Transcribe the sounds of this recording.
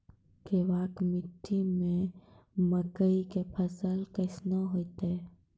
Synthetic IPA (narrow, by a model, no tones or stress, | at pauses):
kewaːkmɪt̪ʰːimẽ | məkəikepʰəsəlkəɪsnaɦoːt̪eɛ